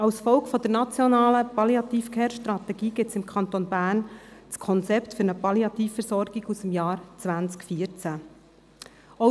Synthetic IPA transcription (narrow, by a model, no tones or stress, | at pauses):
ɑwsfɔlkfɔd̥̪əɾnɑt͡sjɔnɑːləpɑljɑt̪iːfkʰɛːɾʃt̪ɾɑt̪ɛɡ̥iːɡɪtt͡sɪmkʰɑnt̪onbæːɾnt͡skʰɔnt͡sɛpt̪fʏɾnəpɑliɑt̪iːfəɾsɔɾɡ̥iɡusəmjɑːɾt͡sʋænt͡skfiːəɾt͡sæ | ɔ